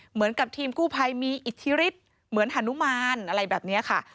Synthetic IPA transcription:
mɯ˩˦nka˨˩p̚t̪ʰiː˧mkuː˥˩pʰa˧jmiː˧ʔi˨˩t̪ʰːi˦˥ɾi˦˥t̪̚ | mɯ˩˦ənʔa˧˩˥nu˦˥maː˧nʔa˧ɾa˧jbɛː˨˩p̚ni˦˥ɐkʰa˥˩

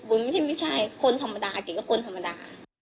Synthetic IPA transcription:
bu˧nma˥˩˨t͡ɕa˥˩jmi˦˥˩t͡ɕʰa˧˩jkʰo˧nt̪ʰa˧mːa˧daː˧k̪i˨˩a˦˥˩kʰo˧nt̪ʰa˧mːa˧da̰ː˧

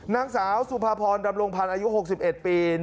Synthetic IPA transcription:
naː˦˥ŋsaː˩˦wsu˨˩pʰaː˧pʰɔː˧nda˧mɾo˧ŋpʰa˧nʔaː˧ju˦˥ɦo˨˩k̚si˨˩p̚ʔe˨˩t̪̚piː˧

